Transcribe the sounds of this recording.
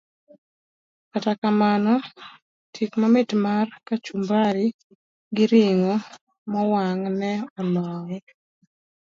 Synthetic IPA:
katakamanɔ | tʰikmamɪtmarkat͡ʃumbaɾi | ɡɪɾɪŋo | mɔwaŋnɛɔnɔŋ

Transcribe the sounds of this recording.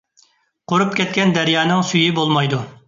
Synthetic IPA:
qʰoɾupkʲʰɛt̪̚kʲɛnd̪ɛɾjɑːnɨŋsyjibolˠmɑjd̪u

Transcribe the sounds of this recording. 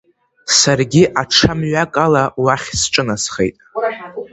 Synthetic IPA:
sarɡʲiʔaʈ͡ʂʰamɥakʼalawaχʲsʈ͡ʂʼɨnasχḛjtʼ

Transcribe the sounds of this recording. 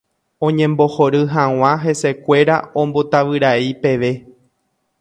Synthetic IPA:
õ̞ɲẽ̞mbo̞ho̞ɾɨɦãw̃ãɦe̞se̞kʷe̞ɾaõ̞mbo̞t̪aʋɨɾaipe̞ʋe̞

